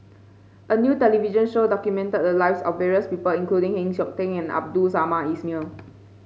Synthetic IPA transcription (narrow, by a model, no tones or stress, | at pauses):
ʔənjuːtɛliviʒə̃nʃodɔkjumɛ̃ntət̚dəlaɪfsɔfvːɛɹiəspipəlĩŋkludĩŋhɛ̃ŋsɔk̚tɛ̃ŋɛ̃na̰b̚dusamaismil